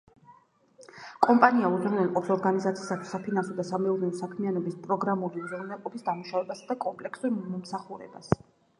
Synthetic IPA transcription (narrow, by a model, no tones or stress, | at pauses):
kʼɔmpʼaniauzɾunɛlˠqʼɔpsɔɾɡanizat̪sʰiːsat̪ʰwi̥sapʰinansɔd̪asamɛuɾnɛɔsakʰmianɔbispʼɾɔɡɾamuliuzɾunɛlqʼɔbisd̪amuʃavɛbasad̪akʼɔmpʼlɛkʰsuɾmmɔmsaχuɾɛ̰ba̰s